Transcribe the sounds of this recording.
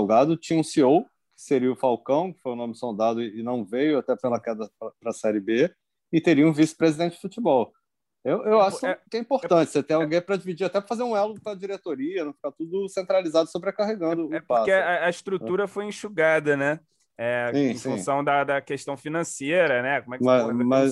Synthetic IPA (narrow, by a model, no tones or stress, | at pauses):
wɡad̪ʊt͡ʃĩɲɐũsiow | kɪ̥seɾiʊfawkɐ̃w̃kɪ̥fojʊnõmɪsõd̪ad̪ʊɪɪnɐ̃w̃vejʊat̪ɛpelɐkɛd̪ɐpɾɐpɾɐsɛɾɪbe | ɪt̪eɾiɐũvisɪ̥pɾezid̪ẽnt͡ʃɪd͡ʒ̥ɪ̥fut͡ʃibɔw | ewʔewaʃʊk̪kɛĩpoɾt̪ɐ̃t͡ʃɪ̥set̪ẽj̃awɡẽj̃pɾɐd͡ʒivid͡ʒiɾat̪ɛpɾɐfazeɾũɛlud̪ʊplɐd͡ʒiɾet̪oɾiɐnɐ̃w̃fi̥kat̪ud̪ʊsẽnt̪ɾalizad̪ʊsobɾekaɦeɡɐ̃nd̪ʊɛpopaseɐɐiʃt̪ɾut̪uɾɐfojẽʃuɡad̪ɐnɛ | ɛsĩẽffũsɐ̃w̃d̪ɐd̪ɐkeʃt̪ɐ̃w̃finɐ̃seɾɐnɛkomɛkmɐs